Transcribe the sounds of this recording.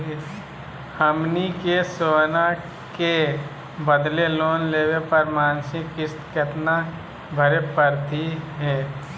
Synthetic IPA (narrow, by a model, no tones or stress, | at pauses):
həmnikesoːna | ke | bəd̪leloːnleːwepəɾmaːnsɪkːɪst̪ket̪na | bʱəɾepəɾt̪iɦɛː